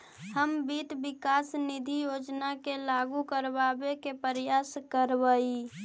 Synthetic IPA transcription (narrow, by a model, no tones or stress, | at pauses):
həmbit̪bikasnid̪ʱijod͡ʒnakelaɡukəɾbabekepəɾjaskəɾbəi